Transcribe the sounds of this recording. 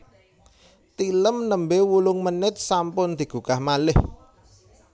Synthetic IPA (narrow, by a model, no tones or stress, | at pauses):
t̪iləmnəmbewulʊŋmənɪt̪̚sampʊnd̪̥i̤ɡ̥ṳkahmalɪh